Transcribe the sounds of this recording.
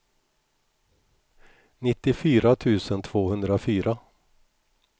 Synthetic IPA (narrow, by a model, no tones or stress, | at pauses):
nɪt̪ːɪfyːɾat̪ʰʉ̟ːsənt̪ʰv̥oːhɵnd̪ɾafyːɾa